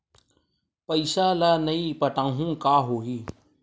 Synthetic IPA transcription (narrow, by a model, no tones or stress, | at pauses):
pəisaːlanəiːpəʈãːɦũːkaːɦoːɦiː